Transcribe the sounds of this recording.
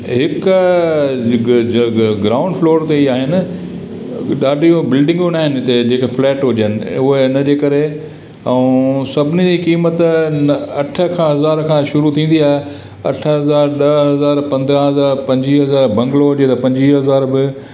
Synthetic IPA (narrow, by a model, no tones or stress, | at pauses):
ɦɪkʊ | ɡɾaːʊ̃ɳɖfloːɾt̪eiaːɦɪnɪ̆ | ɗaːɖʱijõbɪlɖɪ̃ŋɡõnaːɦɪnɪt̪ed͡ʑeːkeflɛːʈɦʊʄənɪ̆ʊɦenɐd͡ʑeːkɐɾẽ | sɐbʱɪnid͡ʑiːkiːmət̪nɐʈʰə̆kʰãːɦɐzaːɾkʰãːʃʊɾut̪ʰĩːn̆d̪iaːɦe | ɐ̰ʈʰəɦɐzaːɾɗɐɦɐzaːɾpɐ̃nd̪ɾə̃ɦɐzaːɾpɐ̃ɲd͡ʑiɦɐzaːɾbɐ̃ŋɡloɦʊd͡ʑet̪ɐpɐ̃ɲd͡ʑiɦɐzaːɾbɪ